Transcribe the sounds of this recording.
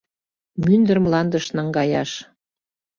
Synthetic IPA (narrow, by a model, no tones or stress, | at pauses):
mynd̪ə̆ɾmlɑnd̪ə̆ʃnɑŋɡɑjɑʃ